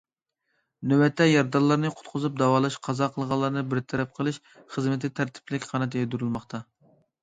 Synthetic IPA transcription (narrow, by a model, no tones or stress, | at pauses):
nøwɛt̪ʰːɛjɑɾd̪ɑlˠːɑɾnɨqʰʊ̥t̪qʰʊzup̚d̪ɑwɑːlˠɑʃqʰɑzɑqʰəlˠʁɑlˠːɑɾnɨbɪɾt̪ʰɛɾɛp̚qʰəlˠɨʃ | χəzmɪt̪ʰɪt̪ʰæɾt̪ʰɪ̥plɪkʲχʰɑnɛt̪jɛd̪uɾɨlˠmɑχt̪ʰɑ